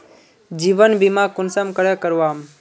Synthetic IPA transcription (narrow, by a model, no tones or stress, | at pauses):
d͡ʒiʋənbimãkʊnsəmkəɽəkəɾʋaːm